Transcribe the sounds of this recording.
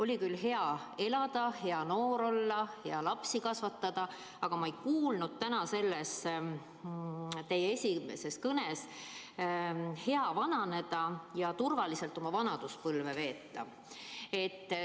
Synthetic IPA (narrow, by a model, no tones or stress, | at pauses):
o̞lʲikylɦe̞ɑe̞lɑd̪̥ɑhe̞ɑno̞ːɾo̞lːɑhe̞ɑlɑpsikɑsvɑt̪ːɑd̪̥ɑ | ɑɡ̥ɑmɑejkuːlnud̪̥̚t̪ænɑse̞lːes | t̪e̞jee̞sʲimḛse̞skɤnes | he̞ɑvɑnɑne̞d̪̥ɑjɑt̪urvɑlise̞lt̪ːˑo̞mɑvɑnɑd̪̥uspɤlve̞ve̞ːt̪ːˑɑ̰ | e̞t̪ː